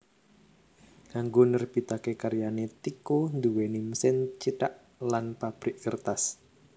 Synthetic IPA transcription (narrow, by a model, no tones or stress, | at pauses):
ŋaŋɡonərb̥i̤t̪akekaɾijanet̪ikond̪uwenimsɪnt͡ʃiʈaʔ | lanpab̥ɾiʔərt̪as